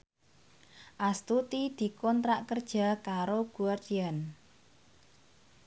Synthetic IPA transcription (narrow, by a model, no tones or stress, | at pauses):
ʔast̪ut̪id̪̥i̤kɔnt̪ɾaʔkərd̥ʒ̥a̤kaɾoɡ̥uard͡ʒ̥ian